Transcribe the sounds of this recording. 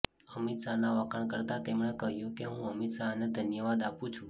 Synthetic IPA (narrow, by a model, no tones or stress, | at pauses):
əmit̪sanaʋəkʰəɳkəɾt̪at̪emɳekəɦjũkeɦũəmit̪saned̪ʱənjəʋad̪apũt͡ʃʰũ